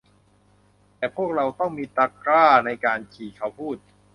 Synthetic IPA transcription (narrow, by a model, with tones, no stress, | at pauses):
t̪ɛː˨˩pʰu˥˩ək̚ɾa˧wt̪ɔ˥˩ŋmiː˧t̪aː˧kɾaː˥˩na˧jkaː˧nt͡ɕʰiː˨˩kʰa˦˥wpʰuː˥˩t̪̚